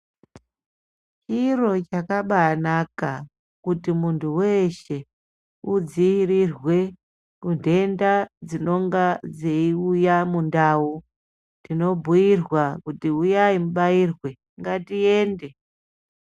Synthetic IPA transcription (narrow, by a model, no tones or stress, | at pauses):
t͡ʃiro̞t͡ʃakaɓanaka | kutimuntʰuwe̞ʃe̞ | ud͡ziirirwe̞ | kundʱe̞ndad͡zino̞ŋɡad͡zeiujamundaːu | dino̞bʱujirwakutiujaimuɓairwe̞ | ŋɡatie̞ːnde̞